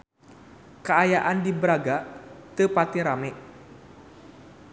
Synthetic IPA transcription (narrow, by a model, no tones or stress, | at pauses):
kəajaʔandibəɾaɡat̪əpat̪iɾamɛʔ